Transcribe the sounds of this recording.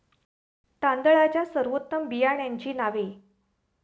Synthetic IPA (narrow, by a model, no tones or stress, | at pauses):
t̪and̪əɭat͡ɕjasəɾʋot̪ːəmbijaɳjaɲt͡ɕiːnaʋe